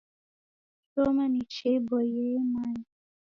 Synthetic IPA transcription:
tomanit͡ʃebɔjemaɲ

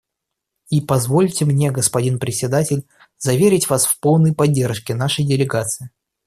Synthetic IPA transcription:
ipɐzvo̞lʲtʲɪmnʲe̞ɡəspɐdʲinpɾʲɪsʲːɪd̪atʲɪlʲ | zɐvʲeɾʲɪtʲvasfpolˠnəjpɐdʲːerʂkʲɪnaʂəjdʲɪlʲɪɡat̪sɨɪ

